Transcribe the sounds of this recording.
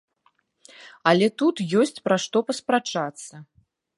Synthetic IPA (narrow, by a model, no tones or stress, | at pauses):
ɐlʲɛt̪ut̪jɔsʲt͡sʲpɾaʂt̪ɔpɐspɾat͡ʂat̪sːɐ